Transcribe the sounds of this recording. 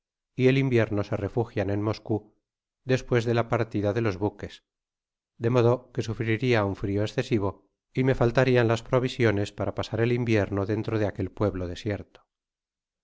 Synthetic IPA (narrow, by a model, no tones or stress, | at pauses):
ie̞limbje̞ɾno̞se̞re̞fuxjane̞nmo̞sku | ðe̞spwe̞zðe̞lapaɾt̪iðaðe̞lo̞zβuke̞s | d̪e̞moðo̞ke̞sufɾiɾiauɱfɾio̞esθe̞siβ̞o̞ | ime̞falt̪aɾianlaspɾo̞β̞isjo̞ne̞spaɾapasaɾe̞limbje̞ɾno̞ðe̞nt̪ɾoð̞eake̞lpwe̞βloðe̞sje̞ɾt̪o̥